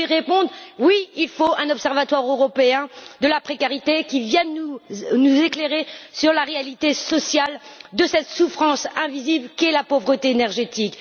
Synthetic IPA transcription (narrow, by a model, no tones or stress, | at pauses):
iʁepɔ̃d̪ʁwiilfoɛ̃nɔpsɛʁvat̪waʁøʁɔpeɛ̃d̪əlapχekaʁit̪ekʲivjɛ̃nunuzekleʁesyʁlaʁealit̪esɔsjald̪əsɛt̪sufχɑ̃sɛ̃viziblkʲiɛlapovʁət̪eːnɛʁʒet̪ik